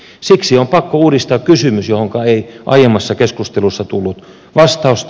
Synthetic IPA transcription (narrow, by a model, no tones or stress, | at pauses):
siksiompɑkːouːdist̪ɑːkkysymysjohoŋkɑeiʔɑ̰jemːˑɑsːɑkeskust̪elusːɑt̪ulːut̪ | ʋɑst̪ɑust̪